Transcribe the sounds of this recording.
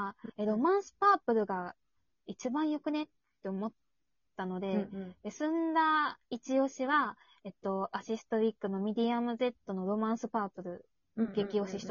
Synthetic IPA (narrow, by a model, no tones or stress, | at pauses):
eɾo̞mãɰ̃sɨ̥paːpɯ̟ɾɯ̟ɡa | it͡ɕibãɰ̃jo̞kɯ̟ne̞t̪ːe̞omo̞t̪ː | ano̞d̪e̞esɨ̃nd̪ait͡ɕio̞ɕiβa | e̞t̪ːo̞aɕisɨ̥t̪o̞ɾʲikːɯ̟no̞mʲed̪ʲiamɯ̟ze̞t̪ːo̞no̞ɾo̞mãɰ̃sɨpaːpɯ̟ɾɯ̟ | ɡ̥e̞kʲio̞ɕiɕi̥t̪o